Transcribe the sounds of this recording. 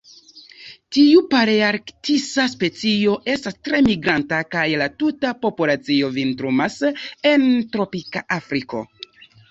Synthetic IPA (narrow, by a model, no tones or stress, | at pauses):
tiupaɾeaɾktisaspe̞t͡sio̞ʔe̞stastɾe̞miɡɾantakajlatutapo̞pulat͡sio̞vintɾumase̞ntɾo̞pikaʔafɾiko̞̰